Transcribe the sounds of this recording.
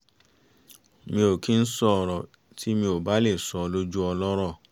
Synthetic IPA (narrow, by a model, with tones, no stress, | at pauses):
mĩ˧o˨kĩ˦n̩˦sɔ˦˧˨ɾɔ˨ | ti˦mĩ˧o˨ba˦le˦˨sɔ˧lo˦d͡ʒu˦ɔ˧lɔ˦ɾɔ˦˨